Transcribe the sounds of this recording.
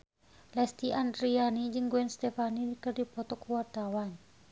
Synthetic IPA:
lɛst̪iʔandɾianid͡ʒɨŋɡuɛnst̪ɛfanikɨrdipɔt̪ɔkuwart̪awan

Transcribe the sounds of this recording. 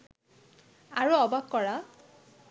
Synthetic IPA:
aɹuɔbakːɔɹa

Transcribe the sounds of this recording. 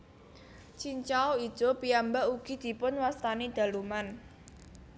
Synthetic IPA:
t͡ʃiɲt͡ʃaɔid̥ʒ̥ɔ̤piambaʔuɡ̥i̤d̪̥i̤pʊnwast̪aned̪̥a̤luman

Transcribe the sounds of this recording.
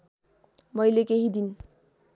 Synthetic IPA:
mʌjlekeɦid̪in

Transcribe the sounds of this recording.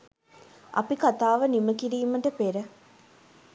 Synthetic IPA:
ʔɐ̰pikat̪aːʋəniməkiɾiːməʈəpeɾə

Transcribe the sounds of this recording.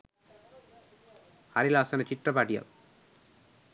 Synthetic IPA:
ɐɾilaːsɐnɐt͡ʃiʈrɐpaːʈːija̰l

